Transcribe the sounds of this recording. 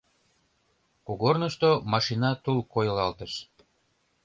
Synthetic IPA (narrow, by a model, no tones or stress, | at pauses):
kuɣornəʃt̪omɑʃinɑt̪ulkojɤ̆lɑlt̪əʃ